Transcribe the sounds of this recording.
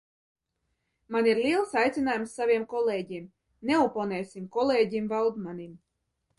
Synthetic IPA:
maniɾlʲiɛlˠsajt̪sʲinaːjumsːavʲiɛmkɔleːɟim | neupɔnɛːsʲimkɔleːɟimvalˠd̪manim

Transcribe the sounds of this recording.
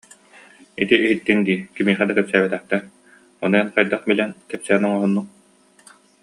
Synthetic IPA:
it̪iʔːɦit̪ːind̪iːkimiːχɛd̪akɛpsæːbɛt̪ɛχt̪ɛɾ | ɔnujɛnqajd̪aχbilɛnkɛpsɛɡɛnɔŋɔɦɔnːuk̚

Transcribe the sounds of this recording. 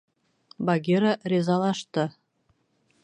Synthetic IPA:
bɑɡʲeɾarʲezɑlˠɑʃt̪ɤ̆

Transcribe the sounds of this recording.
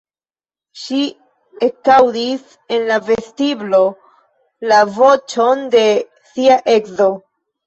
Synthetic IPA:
ʃi | ekawdis | e̞nlave̞stiblo̞ | lavo̞t͡ʃo̞nde̞ | siaʔe̞kzo̞

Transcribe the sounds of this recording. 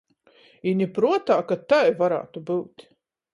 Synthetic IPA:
inʲipɾuɔt̪aːkat̪ajvaɾa̰ːt̪ubɨwt̪ʲ

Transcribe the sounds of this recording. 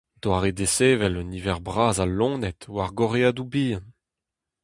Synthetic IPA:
d̪̥waːʁed̪eseːvɛlɔnivɛʁbʁaːzalɔ̃ːnɛt̪waʁɡɔʁeadubĩː

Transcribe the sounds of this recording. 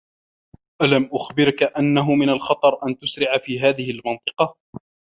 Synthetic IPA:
ʔalamʔʊxbɪɾkaʔanːaɦʊmɪnalxɑt̪ˤɑɾˤʔant̪ʊsɾɪʕafiːɦaːðɪhɪlmɑnt̪ˤɨqɑ

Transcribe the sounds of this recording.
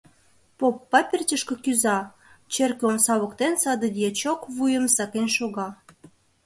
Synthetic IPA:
popːɑpʲerʲt͡ɕəʃkɤ̆kyzɑ | t͡ɕerkomsɑβə̆kt̪ensɑd̪əd̪jet͡ɕokβujə̆msɑkenʃoɣɑ

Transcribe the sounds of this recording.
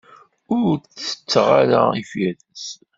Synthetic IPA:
ʊɾt͡sːə̥t͡sːʁaɾaifjæðəs

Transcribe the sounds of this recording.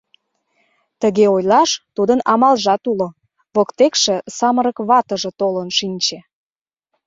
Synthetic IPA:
t̪əɣeojlɑʃt̪ud̪ənɑmɑlʒɑt̪ulo | βokt̪ekʃĕsɑməɾəkβɑt̪əʒĕt̪olənʃinʲt͡ɕe

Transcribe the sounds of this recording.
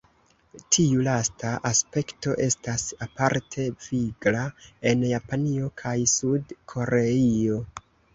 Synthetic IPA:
tʰiulastaʔaspe̞kto̞̰ʔe̞stasapaɾtʰe̞v̥iɡlae̞njapanio̞kʰajsudkʰo̞ɾe̞io̞

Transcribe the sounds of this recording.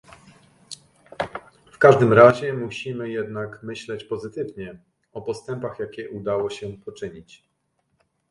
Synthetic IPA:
fkaʐd̪ɘmɾaʑɛmuɕimɘjɛd̪nakmɘɕlɛt͡ɕpɔzɘt̪ɘvɲɛ | ɔpɔst̪ɛmpaxjakʲɛʔud̪awɔɕɛpɔt͡ʂɘɲit͡ɕ

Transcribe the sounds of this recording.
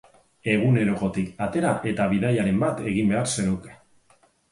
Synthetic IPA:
e̞ɣ̞une̞ɾo̞ɣo̞t̪ikat̪e̞ɾaʔe̞t̪aβiðajaɾe̞mbat̪e̞ɣimbe̞aɾse̞nuke̞̥

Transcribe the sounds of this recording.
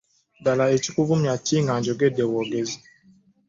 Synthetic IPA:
dalaet͡ʃikuvumjatiŋɡaɲd͡ʒɔɡɛdɛwɔɡezi

